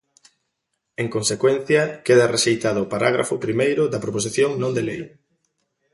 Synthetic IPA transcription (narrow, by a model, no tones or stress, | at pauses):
eŋkonsekwen̟θjɐkeðɐrʔeʃejt̪aðʊːpaɾaɣ̞ɾa̰fʊpɾimejɾʊðɐpɾopos̬iθjoŋnõnd̪elejɾʊ